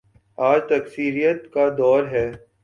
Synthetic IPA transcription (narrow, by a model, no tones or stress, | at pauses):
aːd͡ʒt̪ɐksiːɾijət̪kad̪ɔːɾɦɛː